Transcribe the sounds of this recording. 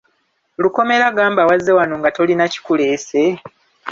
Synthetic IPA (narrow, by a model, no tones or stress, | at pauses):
luko̞me̞ɾaɡaːmbawazːe̞wano̞ŋɡato̞linaci̥kule̞ːse̞